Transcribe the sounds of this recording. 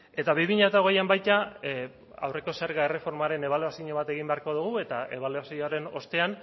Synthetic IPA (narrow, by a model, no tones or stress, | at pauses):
e̞t̪aβiβiɲat̪aoɣe̞jambajt̪a | a̰wre̞ko̞seɾɣae̞re̞fo̞ɾmaɾe̞ne̞βaleasiɲo̞β̞at̪e̞ɣ̞imbe̞aɾko̞ð̞uɣ̞ue̞t̪aeβ̞aleasiɲoaɾe̞no̞st̪e̞an